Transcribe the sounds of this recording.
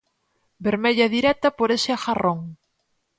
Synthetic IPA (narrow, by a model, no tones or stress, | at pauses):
beɾmeʎaðiɾɛt̪ɐpoɾeʃeaxaroŋ